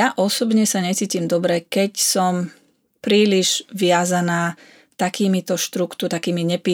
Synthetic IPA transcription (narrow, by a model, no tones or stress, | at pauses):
aʔɔsɔbɲɛsaɲɛt͡siːcimd̪ɔbɾɛkɛcsɔm | pɾiːliʒ̥ʋɪazanaː | t̪akiːmit̪ɔʃt̪ɾukt̪ut̪akiːmiɲɛpi